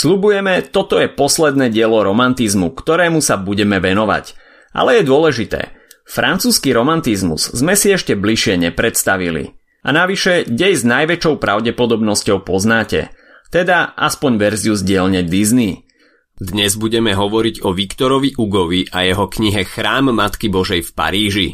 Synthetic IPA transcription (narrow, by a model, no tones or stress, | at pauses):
sʎubujɛmɛt̪ɔt̪ɔjɛpɔslɛd̪nɛːɟɪɛlɔɾɔmant̪izmukt̪ɔɾɛːmusabuɟɛmɛʋɛnɔʋa̰c | ʔa̰lɛjɛd̪ʊɔlɛʒit̪ɛ̰ː | fɾʔant͡suːskiɾɔmant̪izmṵz̥zmɛsiɛʃcɛbliʃɪɛɲɛpɾɛt̪st̪aʋilḭ | a̰naʋiʃɛɟɛjznajʋɛt͡ʃɔʊpɾʔaʊɟɛpɔd̪ɔbnɔscɔʊpɔznaːcɛ̰ | t̪ɛd̪aʔa̰spɔɲʋɛɾziuzɟɪɛlɲɛd̪izni | d̪ɲɛzbuɟɛmɛɦɔʋɔɾiɟɔʋikt̪ɔɾɔʋiʔuɡɔʋiʔajɛɦɔkɲiɦɛxɾaːmːat̪kibɔʒɛjfpa̰ɾiːʒi